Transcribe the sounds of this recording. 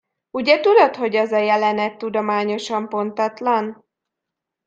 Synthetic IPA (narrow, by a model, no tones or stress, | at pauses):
uɟɛt̪ud̪o̞t̪ho̞ɟɒzɒjɛlɛnɛt̪ːud̪o̞maːɲo̞ʃɒmpo̞nt̪ɒt̪lɒn